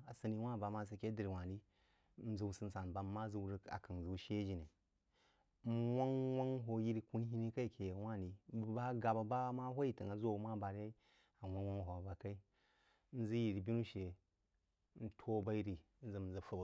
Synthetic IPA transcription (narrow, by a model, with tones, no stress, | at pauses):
a˨sə˨ni˦wa˦˨ba˨˦ma˦s̬a˦kʲe˦di˨ɾi˨wa˨ni˦ | n̩˦zə˨u˨sɨ˦n̩˦sa˨n˨ba˨˦mːa˦zu˦wɾə˦ka̰˨ka˨n˨zu˨ʃe˦d͡ʒi˨ne˨˦ | wa˦ŋwa˦ŋɦo˨ji˦ɾi˦ku˦n˦ɦi˦ni˦ka˦i˨kʰe˨jwʷa˦ni˨ba˦ɡa˨ba˨ba˦ma˦ɦo˦ji˦˨tə˨ŋa˨˦zo˦u˦ma˦˨ba˨ɾja˦i˦ | a˨wʷa˦wa˦ŋ˨ɦo˨a˨ba˨ka˦i˦ | n̩˦zi˦ji˨ɾi˨bi˦nu˦ʃe˨˦ | n̩˦tʰo˦ba˦ji˦ɾi˨˦n̩˦zə˨zə˨fə˦b